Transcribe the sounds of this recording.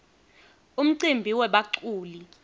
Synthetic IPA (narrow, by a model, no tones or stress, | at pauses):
um̩ǀimbʱiwɛɓaǀuːli